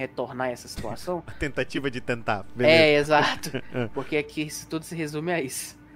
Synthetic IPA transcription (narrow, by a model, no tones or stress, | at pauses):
het̪oɾnaɛsɐsi̥t̪ua̰sɐ̃w̃ɐt̪ẽnt̪at͡ʃivɐd͡ʒɪt̪ẽnt̪a̰beɛezat̪ʊpoɾkeɛkʰɪsɪ̥t̪ud̪ʊsɪɦezũmɪaisʊ̥